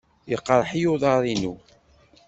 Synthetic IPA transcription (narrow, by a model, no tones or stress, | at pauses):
jəqːɾˤħijuðˤɑɾˤinu